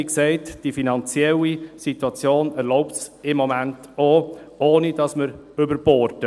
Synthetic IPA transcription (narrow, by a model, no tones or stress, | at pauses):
iksɛɪtd̥ifinɑnt͡sjɛlisituɑt͡sjoːnɛɾlɔʊpts | ɪmːɔmænt | o | oːnid̥ɑsməɾ | ʏbəɾb̥ɔːɾtə